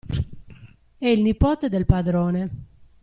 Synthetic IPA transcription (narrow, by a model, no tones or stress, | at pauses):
ɛilnipɔːt̪ed̪elpad̪ɾɔːne